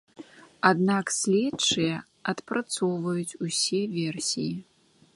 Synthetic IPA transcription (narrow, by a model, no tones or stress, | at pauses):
ad̪naksʲlʲɛtt͡ʂɨjɐ | ɐt̪pɾat̪sɔwvɐjut͡sʲusʲɛvʲɛrsʲiji